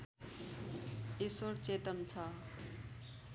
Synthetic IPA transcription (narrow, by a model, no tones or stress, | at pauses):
esoɽt͡set̪ʌmt͡sʰʌ